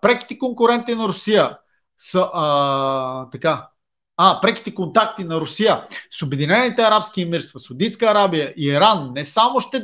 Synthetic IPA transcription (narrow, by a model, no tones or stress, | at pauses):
pɾɛki̥t̪ɛkoŋkʊɾɛnt̪inɐɾʊsijə | səʔə | t̪ɐka | apɾɛki̥t̪ɛkont̪akt̪inɐɾʊsijəsobɛd̪inɛnit̪ɛɐɾapskimiɾst̪vɐsɐwd̪ij̪skəːɾabijəʔiiɾanːɛsamʊʃt̪ɛ